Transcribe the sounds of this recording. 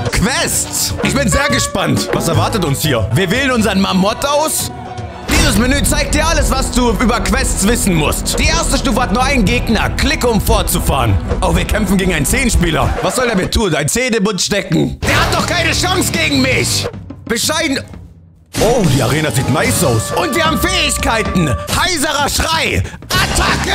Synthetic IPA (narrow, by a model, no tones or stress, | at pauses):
kʰv̥ɛstsʔɪçb̥ɪnzeːɐɡəʃpantvasɛɐvaɐtətʊnshiːɐviːɐvɪːlənʊnzɐənmamɔtaʊs | d̥iːzəsminyːt͡saɪk̚t̚d̥iːɐʔaləsv̥asd̥uːʔyːbɐkv̥ɛstt͡sv̥ɪsn̩mʊstd̥iːʔeːɐstəʃtuːfəhat̚nuːɐʔaɪnɡeːɡnɐkʰlɪkəʊmfɔɐt̚t͡sufa̰ːʁənʔaʊxv̥iːɐkʰɛmfn̩ɡeːɡŋ̩aɪnt͡seːnʃpiːlɐ̰vasz̥ɔldeɐmiɐtʰuːnaɪnt͡seːdəbʊntʃtɛkŋ̩d̥eːɐhat̚d̥ɔχkʰaɪnəʃaŋsɡ̥eːɡŋ̩mɪçb̥əʃaɪn | ʔoːdiːa̰ʁeːnaziːtnaɪsaʊsʔʊntv̥iːɐhaːbm̩fɛːɪçkʰaɪtn̩haɪzəʁɐʃʁ̥aɪʔatʰakə